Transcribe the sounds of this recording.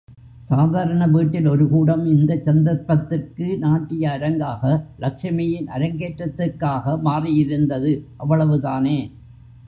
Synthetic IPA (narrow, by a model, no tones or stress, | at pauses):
saːðaːɾɐɳɐʋiːʈːɪlɔɾɯkuːɽɐmɪnd̪ɐt͡ʃːɐnd̪ɐɾpːɐt̪ːɪrkɯnaːʈːɪjɐːɾɐŋɡaːɣɐlɐkʂɐmɐjɪnʔɐɾɐŋɡeːʈrɐt̪ːɪrkaːɣɐmaːrɪjɪɾɯnd̪ɐðɯʔɐʋːɐɭɐʋɯðaːneː